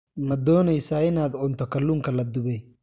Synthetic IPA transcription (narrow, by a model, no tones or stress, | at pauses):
mɐd̪ɔːnɛjsaːɪnaːd̪ʕʊnt̪ʰɔkʰɐlːuːŋkʰɐlɐd̪ʊβɛj